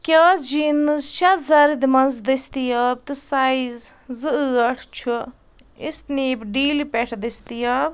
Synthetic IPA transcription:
kʲaːd͡ʒinɨzʃɐt̪zaɾid̪imɐnzd̪ist̪ijaːb̚t̪ɨsaiz | zɨɨɐʈʰt͡ʃʰu | ist̪niːbɖiːlipɛʈʰd̪ist̪ijaːb

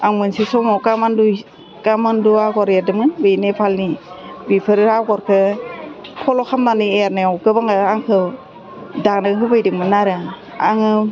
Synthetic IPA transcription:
aŋmɯnsisɔmɔkamandu | kamanduaɡɔɾjaɾdɯŋmɯnbɯjnepʰalnibipʰɯɾɯɾawɡɔɾkʰɯ | kʰɔlɔkʰamnanieɾnaɔwkɯbaŋaaŋkʰɯw | danɯɦɯbajdɯŋmɯnaɾa | aŋɯ

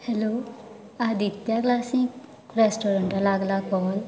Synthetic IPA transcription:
hɛlo | ad̪ʱit̪jaklasĩŋk | ɾesʈɔɾə̃ɳʈalaːɡlakɔːl

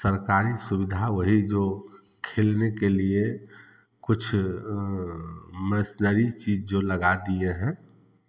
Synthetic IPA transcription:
səɾkaːɾisʊbɪd̪ʱaʋəɦid͡ʒo | kʰeːlnekelie | kʊt͡ʃʰ | məsnəɾit͡ʃiːd͡ʒd͡ʒoləɡad̪ieɦɛ̃

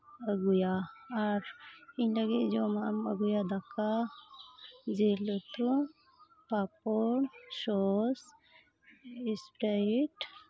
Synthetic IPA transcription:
əɡujaːɾiɲləɡit̪̚d͡ʒɔmaʔamə̰ɡujad̪akʰa | d͡ʒɛlɔt̪u | papɔɾsɔs | ispɾaʈ

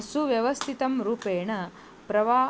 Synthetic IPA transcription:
suʋjɐʋɐst̪ʰit̪ɐmɾuːpeːɳɐ | pɾɐʋaː

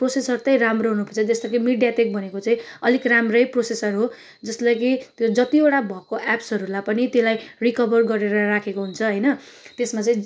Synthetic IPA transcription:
prosesʌrt̪ʌj̃ramroɦunupʰʌt͡sʰʌd͡zʌst̪ʌkimiɖjatek̚bʌnekot͡saĩʌlikramrʌjprosesʌrɦo | d͡zʌslʌkit̪jod͡zʌt̪ioʈabʱʌkoʔɛpsʌɾulapʌnit̪jelajrikʌbʌrɡʌɾeɾʌrakʰekoɦunt͡sʰʌɦʌjnʌt̪esmat͡saĩ

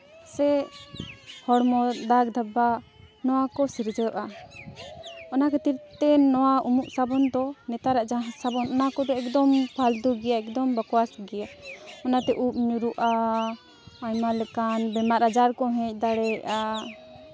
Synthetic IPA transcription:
sɛ | hɔɽmɔd̪ak̚d̪ʱaba | nɔwakɔsiɾd͡ʒɔjɔʔa | ɔnakɛt̪iɾt̪ɛnɔwaumuʔsabɔnd̪ɔnɛt̪aɾaʔd͡ʒasabɔnɔnakɔd̪ɛɛk̚d̪ɔmpʰald̪uɡɛjaɛk̚d̪ɔmbakɔwasɡɛjaɔnat̪ɛʔup̚ɲuɾuʔaː | ɲmalɛkanbɛmaʔɾad͡ʒaɾkɔɦɛ̃c̚ˀd̪aɽɛʔa

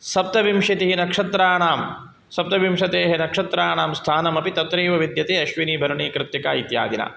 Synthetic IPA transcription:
sɐp̚t̪ɐʋimʂit̪iɦinɐkʂɐt̪ɾaːɳaːm | sɐp̚t̪ɐʋimʂɐt̪eːɦenɐkʂɐt̪ɾaːɳaːmst̪ʰaːnɐmɐpit̪ɐt̪ɾeːʋɐʋid̪jɐt̪eːɐʃʋiniːbʱɐɾɐɳiːkɾɪt̪ːikaːit̪ja̰ːd̪inɐ̰

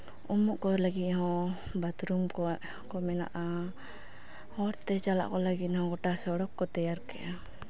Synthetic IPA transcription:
ɔmuʔkɔlaɡit̪̚hɔ̃ | bat̪ɾumkɔ | kɔmɛna̰ʔa | hɔɾt̪ɛt͡ʃala̰ʔkɔlaɡit̪̚hɔɡɔʈasɔɽɔkːɔt̪ɛjaɾkɛ̰ʔa

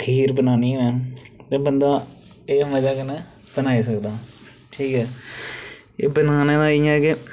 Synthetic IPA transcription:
kʰiːɾbənaːniːɛ̃ːt̪eːbənd̪aː | eːməd͡ʒaːkɪnɛ̃ː | bənaːiːsəkd̪aː | ʈʰiːkɦɛː | ḛːbənaːneːd̪ãːɪjãɛkɪ

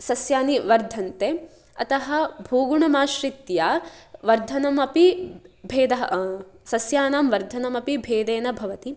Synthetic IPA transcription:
sɐsjaːniʋɐɾd̪ʱɐnt̪e | ɐt̪ɐɦɐ̆bʱuːɡuɳɐmaːʃɾit̪jaːʋɐɾd̪ʱɐnɐmɐpibʱeːd̪ɐɦɐsɐsjaːnaːmʋɐɾd̪ʱɐnɐmɐpibʱeːd̪eːnɐbʱɐʋɐt̪i

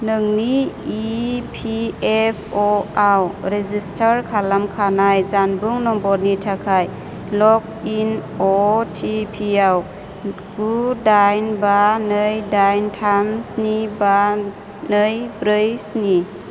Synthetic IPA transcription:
nɯŋniipʰiepʰɔawɾezistʰaɾkʰalamkʰanajzanbuŋnɔmbɔɾnitʰakʰaj | lɔk̚ | in | ɔtʰipʰiaw | ɡ̥udajnbanəjdajntʰamsniba | nəjbɾɯjsni

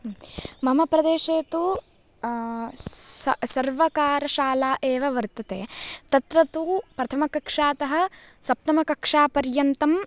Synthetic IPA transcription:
mɐmɐpɾɐd̪eːʃeːt̪u | sɐɾʋɐkaːɾɐʃaːlaːʔeːʋɐʋɐɾt̪ɐt̪eːt̪ɐt̪ɾɐt̪uːpɾɐt̪ʰɐmɐkɐkʂaːt̪ɐɦɐ̆ | sɐp̚t̪ɐmɐkɐkʂaːpɐɾjɐnt̪ɐm

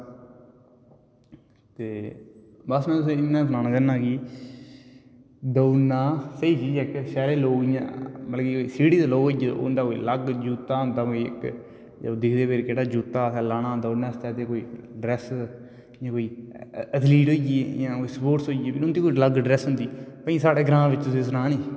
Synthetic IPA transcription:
t̪eː | bəsnãːt̪ʊs̬ẽːɪnːãːsənaːnaːd͡ʒaːnːaːkiː | d̪əːnaːsəiːt͡ʃiːd͡ʒɛːkʃɛːɾeːloːɡɪjã̰ːməlːkiːoiːsiːɽiːd̪aːloːɡɦoːid͡ʒḛːnd̪aːkoḭːləɡd͡ʒuːt̪aːɦʊnd̪aːkoːiɪ̰k | d͡ʒːd̪ɪkʰd̪eːpeːɾkeɽaːd͡ʒuːt̪ːaːsɛːlaːnãːd̪əːnaːst̪ɛːt̪eːkoːiːɖɾɛːs | jãːkoːiːət̪ʰliːʈɦoːijeejãːkoiːsəpoːʈsɦoːijeːpʰɪɾʊnd̪iːkoːiləɡɖɾɛːsɦʊnd̪iːpəĩːsaːɽeːɡɾãːʋɪt͡ʃt̪ʊsĩːs̬ʊnaːniː

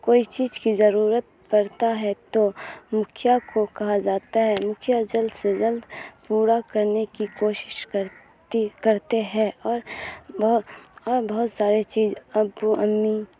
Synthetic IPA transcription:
koːit͡ʃiːzkizɐɾuːɾət̪̚ | pɐɾt̪aɦɛt̪omʊkʰjakʰokɐɦad͡ʒaːt̪aɦɛmʊkʰjad͡ʒəld̪sed͡ʒɐld̪puːɾakɐɾnekikoːʃɪ̥ʃkəɾ | ikɐɾt̪eɦɛ̃ɔːɾbɐɦɔːɾbɐɦʊt̪saːɾet͡ʃiːzɐbuʔəmːi

